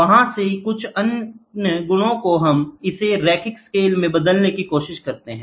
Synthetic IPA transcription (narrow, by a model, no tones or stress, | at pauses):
ʋɐɦãsekʊt͡ʃʰɐnəɡʊɽ̃õkoɦɐmɪseɾɛːkɪkskeːlmẽbɐd̪əlnekikoːʃɪʃkɐɾt̪eɦɛ̃ː